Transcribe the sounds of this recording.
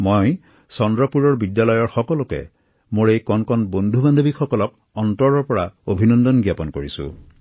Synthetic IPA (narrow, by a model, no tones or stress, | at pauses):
moj | sɔndɹɔpuɹɔɹbidjalɔjɔɹxɔkɔlɔkɛ̰ | moɹejkɔnkɔnbond̪ʱuband̪ʱobikxɔkɔlɔk̚ | ɔntɔɹɔɹpɔɹaobʱinɔnd̪ɔnɡjapɔnkoɹisṵ̃